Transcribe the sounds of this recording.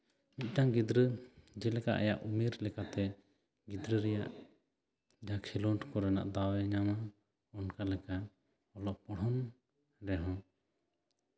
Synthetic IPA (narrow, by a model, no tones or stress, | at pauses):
mit̪̚ˀʈaŋɡid̪ɾəd͡ʒɛlɛka̰ʔa̰ja̰ʔumiɾlɛkat̪ɛ | ɡid̪ɾəɾɛja̰ʔ | d͡ʒakʰɛlɔɳʈʰkɔɾɛna̰ʔd̪awɛɲama | ɔnkalɛka | ɔlɔʔpɔɽɔn | ɾɛɦɔ̃